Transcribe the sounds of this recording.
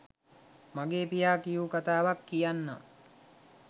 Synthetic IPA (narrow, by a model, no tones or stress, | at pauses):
maɡeːpijaːkijuːkat̪aːʋakːijanːa̰